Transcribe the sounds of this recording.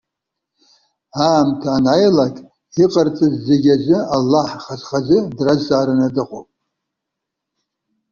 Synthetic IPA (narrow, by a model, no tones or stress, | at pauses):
aːmtʰaːnajlakʼ | iqʼart͡sʼɨzːeɡʲazʷɨalːaħχazχazɨdrazaːɾanadɨqʼo̰pʼ